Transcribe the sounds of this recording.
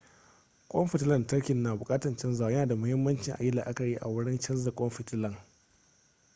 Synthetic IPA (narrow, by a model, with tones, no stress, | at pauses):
kʷʼɔ˦mɸɪ˨tlɐ˨ntɐ˦ɽkʲɪ˨nːaː˨bʊ˨kʼaː˦tɐ˨nt͡ʃɐ˦nza˨˦jɐ˦naː˨da˨mʊ˦hɪ˦mːɐ˦nt͡ʃɪ˨ŋʔa̰˨jɪ˦la̰ː˨ʔa˦kɐ˨ji˦ʔa˨wʊ˦ɽɪ˦nt͡ʃɐ˦nzɐ˨kʷʼɔ˦mɸɪ˨tɪ˦lɐ˨ŋ